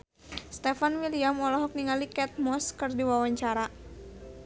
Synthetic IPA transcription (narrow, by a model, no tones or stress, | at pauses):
st̪ɛfanwiliamɔlɔɦɔk̚niŋalikɛt̪̚mɔskɨrdiwawaɲt͡ʃaɾa